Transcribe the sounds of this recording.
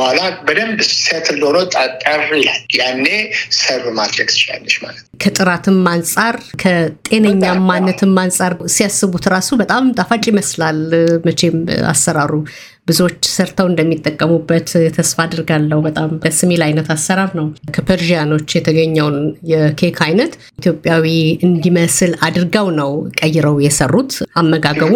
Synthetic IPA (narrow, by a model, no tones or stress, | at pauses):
halabəd̪əmbset̪ʰɨlːoɾot̪ʼat̪ʼərilaljanːesəɾmad̪ɾəɡsɨ̥t͡ʃa̰lːəʃma̰lət̪kʰət̪ʼɨɾat̪ʰɨmːansʼaɾkʰət̪ʼe̞nəɲːamːanːət̪ʰɨmːansʼaɾsijasɨβut̪ɾasubət̪ʼamt̪ʼafat͡ʃʼiməslalmət͡ʃe̞ma̰sːəɾaɾu | bɨzo̞t͡ʃːsəɾt̪ʰawɨnd̪əmːit̪ʼːəkʼːəmubːət̪t̪ʰəsfad̪ɨɾɡalːəhubət̪ʼaməsɨmelajnət̪asːəɾaɾnəwkʰəpʰeɾʒijano̞t͡ʃːjɛt̪ʰəɡəɲːəwnjɛkʰe̞kʰajnət̪ | ʔit̪ʰjo̞pʼːjawiɨnd̪iməsɨlad̪ɾɡawnəwkʼəjːɪɾəwjɛsərːut̪amːəɡaɡəβu